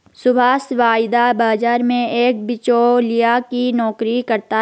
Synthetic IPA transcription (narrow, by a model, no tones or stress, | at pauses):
sʊbʱaːsʋaːjd̪abaːd͡ʒaːɾmẽeːk̚bɪt͡ʃolijakinɔːkɾikɐɾt̪a